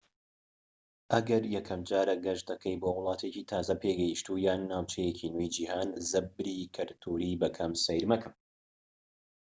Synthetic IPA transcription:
ʔɐɡɐɾjɛkʰɐmd͡ʒaːɾɐɡɐʒd̪ɐkʰɐjboːwʊlˠɑːt̪ʰeciːt̪ʰaːzɐpʰeɡɐjiʃt̪uːjaːnːaːwt͡ʃʰɛjecʰinujd͡ʒiːhaːnzɨb̚ɾiːkʰɨɾt̪ʰuɾibɐkʰɐmsɐjɾmɐkʰɨm

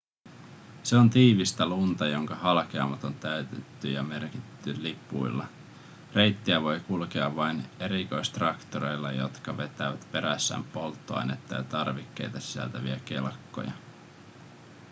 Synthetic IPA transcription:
se̞ont̪iːʋist̪ælunt̪ɑjo̞ŋkɑhɑlkeɑmːɑt̪ont̪æyt̪et̪ːyjɑme̞rkitt̪ːylipˑṵilːɑ | re̞jt̪ːiæʋo̞jkulk̟eɑʋːɑjne̞ɾiko̞jst̪rɑkt̪oɾe̞jlːɑjo̞̰t̪kɑʋe̞t̪æʋæt̪pe̞ɾæsːæ̰ːmpo̞lt̪ːoɑ̰jnet̪ːɑjɑt̪ɑrʋikːe̞̰jt̪ɑsi̥sæ̰lt̪æʋiæk̟e̞lkːo̰jɑ̰

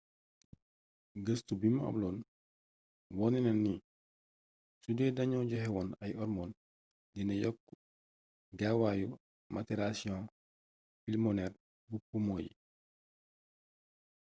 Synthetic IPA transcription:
ɡəstubimɐɐ̰mlɔːn | wɔninɐnːi | sudɛdɐɲɔɟɔhɛwɔːnɐjɔɾmɔːn | dinɐjɔkː | ɡawaju | mʔatiɾasiɔ̃ | filmɔnɛr | bupumoːjḭ

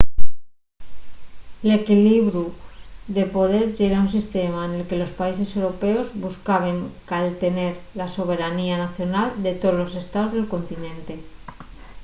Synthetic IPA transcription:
le̞kiliβɾuðe̞po̞ðe̞ɾʝe̞ɾaunsist̪e̞maene̞lke̞lo̞spaise̞se̞wɾo̞pe̞o̞zβuskaβ̞e̞ŋkalt̪e̞ne̞ɾlaso̞β̞e̞ɾanianaθjo̞nald̪e̞t̪oðlo̞se̞st̪aozðe̞lko̞nt̪inẽ̞nt̪e̞

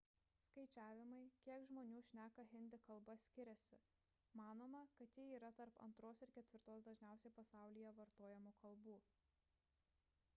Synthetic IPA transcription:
skɐɪt͡ʃʲæːʋʲɪmɐɪkʲiɛkʒmoːnʲuːʃʲnʲæːkɐɦʲɪnʲd̪ʲɪkɐlˠbɐsʲkʲɪɾʲɛsʲɪ | mɑːnoːmɐkɐt̪jiiːɾɐt̪ɐɾpɐ̰nt̪ɾoːsɪɾkʲɛt̪ʲʋʲɪɾt̪oːsd̪ɐʒʲnʲæˑʊsʲɛɪpɐsɑˑʊlʲijɛʋɐɾt̪oɔjɛmuːkʰɐlˠbuː

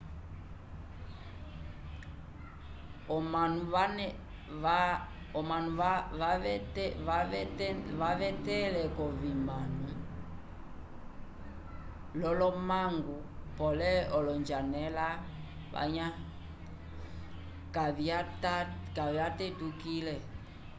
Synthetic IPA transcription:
ɔmanuan | ɔmanu | vavɛtɛlɛkɔvimanu | lɔlɔmaŋɡupɔlɛɔlɔɲd͡ʒanɛla | βa̰ɲa | kaviatakaviatɛtukilɛ

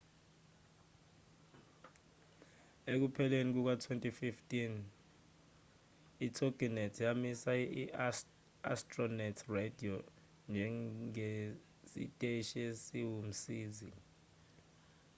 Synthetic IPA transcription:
ek̬upʰɛlenik̬uk̬watʰwentʼififtʼin | itʰoɡ̥inɛtʰjamisai | a̰stʼrɔnɛtʰredʱio | nd͡ʒʱɛe | sḭtʼeʃesiwum̩siːzi

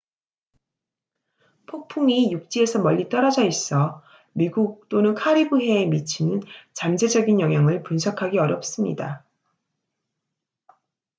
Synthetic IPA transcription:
pʰok̚pʰuŋijuk̚t͡ɕ͈ie̞sʰʌmʌʎːit͈ʌɾʌd͡ʑʌis͈ʌ | miɡuk̚t͈onɯnkʰaɾibuɦe̞ːmit͡ɕʰinɯnt͡ɕamd͡ʑe̞d͡ʑʌɡinjʌŋɦjaŋɯɭpunsʰʌkʰaɡiʌɾjʌp̚s͈ɯmɲḭda

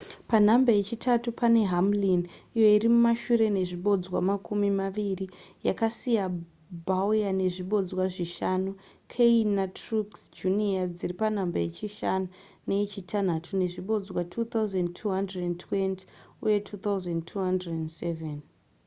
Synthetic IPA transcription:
pan̤ambaje̞t͡ʃitʰatupane̞ɦamlinijo̞irimumaʃuɾe̞ne̞ʐiɓo̞d͡zwa̰makʰumimaʋirijakasija | bʱaujane̞ʐiɓo̞d͡zwaʐiʃanu | kʰeinatruksd͡ʒuniad͡ziripanambaje̞t͡ʃiʃanu | ne̞it͡ʃitʰanatʰune̞ʐiɓo̞d͡zwatʰut̪auzendtʰuɦandredentʰwenti̥uje̞tʰut̪auzendtʰuɦandredendseven

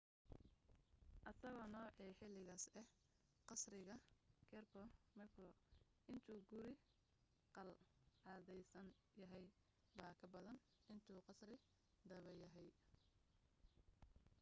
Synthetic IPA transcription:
ʔɐsɐɣɔnɔːʕiːħɪlɪɣaːsɛh | qɑsrɪɣɐkʰɛrkʰɔmɛklɔ | ʔɪnt̪ʰuːɡʊɾɪ | qɑlʕɑːðɛjsɐn | jɐɦɛj | baːkʰɐbɐðɐn | ʔɪnt̪ʰuːqɑsrɪ | d̪ɐβɛjɐɦɛj

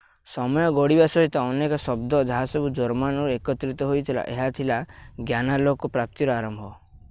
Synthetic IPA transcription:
sɔmɔjɔɡɔɽibasɔɦit̪ɔɔnekɔsɔbd̪ɔd͡ʒaɦasɔbud͡ʒɔɾmanɔɾuekɔt̪ɾit̪ɔɦojt̪ʰila̰ʔeɦat̪ʰilaɡjanalokɔpɾap̚t̪iɾɔaɾɔmbʱɔ

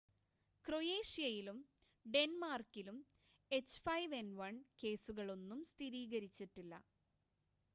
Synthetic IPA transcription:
kro̞je̞ːʂijɐjilum | ɖe̞nmaːrkːilum | e̞t͡ɕːfɐjʋenʋɐɳke̞ːsuɣɐɭo̞nːumst̪ʰiɾiːɣɐɾit͡ɕːiʈːilːɐ̰

